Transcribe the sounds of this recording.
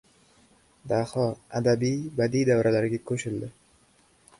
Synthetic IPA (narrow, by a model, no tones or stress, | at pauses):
d̪ahɒad̪abijbad̪ijd̪avɾʔalaɾɡʲakʰɵʃɪld̪ɪ